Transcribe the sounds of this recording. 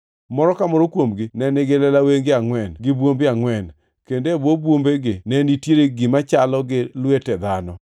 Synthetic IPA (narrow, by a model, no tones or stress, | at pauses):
mɔɾɔkamɔɾokwomɡɪnɛnɪɡɪlɛlaweŋɡɪaŋwɛnɡɪbwombɪaŋwɛn | kendebwobwombeɡɪnɛnitjeɾeɡɪmat͡ʃalɔɡɪlwetɛd̪anɔ